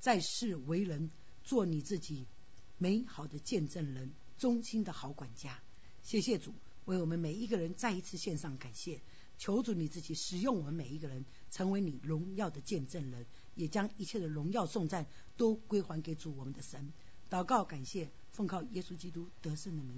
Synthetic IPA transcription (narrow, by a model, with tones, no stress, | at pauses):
t͡sa˥˧ɪʂɻ̩˥˩we˧˥ɪɻə˧˥n | t͡swɔ˥˩ni˨˩t͡sɹ̩˥˩t͡ɕi˨˩ | me˧˥ɪxɑ˨˩ʊd̪ə˦t͡ɕjɛ˥˧nʈ͡ʂə˥˩nɻə˧˥n | t͡sʊ˥ŋɕi˥nd̪ə˨xɑ˧˥ʊkwa˨˩nt͡ɕja˥ | ɕjɛ˥˩ɕ̬jɛ˥˩ʈ͡ʂu˨˩˦ | we˥˩ɪwɔ˨˩mə˦nme˨˩ɪi˧˥ɡə˧ɻə˧˥nt͡sa˥˩ɪi˧˥t͡sʰɹ̩˥˧ɕjɛ˥˧nʂɑ˥˩ŋka˨˩nɕjɛ˥˩ | t͡ɕʰjo˧˥ʊʈ͡ʂu˧˥ni˨˩t͡sɹ̩˥˩t͡ɕi˨˩ʂɻ̩˨˩jʊ˥˩ŋwɔ˨˩mə˧˦nme˨˩ɪi˧˥ɡə˧ɻə˧˦n | ʈ͡ʂʰɤ˧˥ŋwe˧˥ɪni˨˩ɻʊ˧˥ŋjɑ˥˩ʊd̪ə˩t͡ɕjɛ˥˧nʈ͡ʂə˥˩nɻə˧˥n | jɛ˨˩t͡ɕjɑ˥ŋi˧˥t͡ɕʰjɛ˥˩d̪ə˩ɻʊ˧˥ŋjɑ˥˧ʊsʊ˥˧ŋt͡sa˥˩n | t̪o˥ʊkwe˥ɪxwa˧˥nke˧˥ɪʈ͡ʂu˨˩wɔ˨˩mə˦nd̪ə˧ʂə˧˦˥n | t̪ɑ˨˩ʊkɑ˥˩ʊka˨˩nɕjɛ˥˩ | fɤ˥˧ŋkʰɑ˥˩ʊjɛ˥su˥t͡ɕi˥t̪u˥t̪ɤ˧˥ʂə˥˩nd̪ə˩mi˧˥ŋ